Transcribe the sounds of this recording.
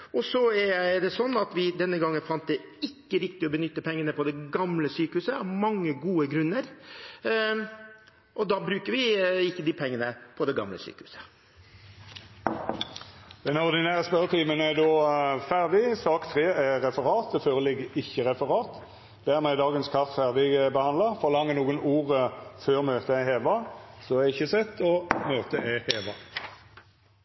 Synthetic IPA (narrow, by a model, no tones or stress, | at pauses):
ɔsɔɛɾjæɪd̪ɛsɔnːɑt̪ʋɪd̪ɛnːəɡɑŋːənfɑnt̪d̪ɛɪkːəɾɪkt̪ɪɔbənʏt̪ːəpʰɛŋːənəpʰɔd̪ɛɡɑmləsyːkəhʉːsəɑʋmɑŋːəɡuːəɡɾʉnːəɾ | ʔɔd̪ɑːbɾʉːkəɾʋɪɪkːəd̪ɪpʰɛŋːənəpʰɔd̪ɛɡɑ̰mlə̰sy̰ːkəhʉːsə̥ | d̪̥ɛnɔʁd̪ɪnæːʁəspœʁt̪ʰiːmənæd̪oːfæʁd̪ɪsɑːkt̪ʰʁeːɛʁɛfəʁɑːt̪ɛfœlɛɡɪçːəʁɛfəʁɑːt̪ | d̪̥æʁmɛɛd̪ɑːɡənskʰɑft̪fæʁd̪ɪɡbəhɑnɑfɔʁlɑŋːənuːɡənuːʁəføːʁmøːt̪əæheːʋɑsɔɛɪçːəsɛt̪ʰːɔmøːt̪əʔɛheːʋɑ